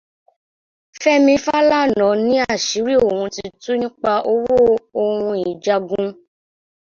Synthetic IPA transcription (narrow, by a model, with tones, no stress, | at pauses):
fɛ˦mĩ˧fa˦la˦˨nɔ̃˨˦nĩ˨˦a˦˨ʃi˨˦ɾi˦o˦˨wũ˧ti˧tu˦nĩ˦k͡pa˧ʔo˧˦wo˦o˧hũ˧i˨d͡ʒa˧ɡũ˧